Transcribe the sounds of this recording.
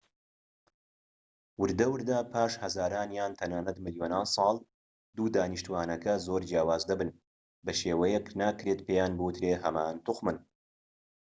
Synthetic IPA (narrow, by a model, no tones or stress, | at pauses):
wɨɾd̪ɐwɨɾd̪aːpʰaːʃhɐzaːɾaːnjaːnt̪ʰɐnaːnɐt̪mɨljoːnaːnsˤɑːlˠ | d̪uːd̪aːniʃt̪uwaːnɐkɐzoːɾd͡ʒjaːwaːzd̪ɐbɨn | bɐʃeːwɐjɛknaːkɾet̪pʰeːjaːnbɨwɨt̪ʰɾeːɦɐmaːnt̪ʊxmɨn